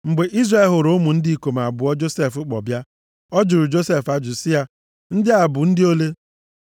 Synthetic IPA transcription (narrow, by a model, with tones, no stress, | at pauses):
ŋ͡m̩˨ɡ͡be˨ʔi˦zra˦e˨ɦo˨ɾo˦mu˨n̩˦dɪ˦i˨ko˨ma˨bʊ˨ɔ˦d͡ʒo˦se˦˨fʊ˦k͡pɔ̰˨bja˦ | ɔ˦d͡ʒʊ˨ɾʊ˨d͡ʒo˦se˦fa˦d͡ʒʊ˨sɪ˦ja˦ | n̩˦dɪ˦a˨bʊ˨n̩˦dɪ˦o˦le˦